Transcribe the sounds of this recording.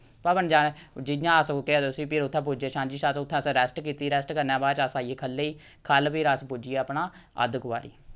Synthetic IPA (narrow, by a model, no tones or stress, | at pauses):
pabənd͡ʒaːed͡ʒɪjãːəskeaːd̪ʊsiːpɪɾʊt̪ʰːɛ̃ːp̬ud͡ʒeːʃãːnd͡ʒiːʃaːt̪ːʊt̪ʰːɛ̃ːsɾɛːsʈkiːt̪iːɾɛːsʈkəɾnãːbaːt͡ʃasaːieːkʰəlːeːiː | kʰəlpɪɾəspud͡ʒieəpnaːə̰d̪kʋa̰ːɾḭː